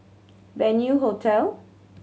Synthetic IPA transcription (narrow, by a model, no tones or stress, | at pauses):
vɛnjuɦotʰɛl